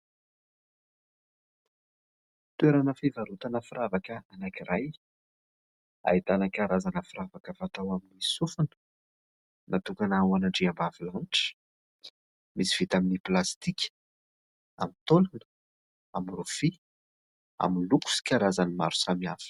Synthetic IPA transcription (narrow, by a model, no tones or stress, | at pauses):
t̪ueɾanəfevaɾut̪anəfiɾavakəanakirʔaj | a̰it̪anəkʲaɾazanəfiravakəvat̪awaminisufun | nʔat̪ukanawanaɳɖ͡ʐiambavilanʈ͡ʂə̥ | misi̥v̥it̪aminiplast̪ikʲ | amit̪olanə̥ | amrufi | a̰minluku̥si̥kʲaɾazanima̰ɾu̥samiafə̥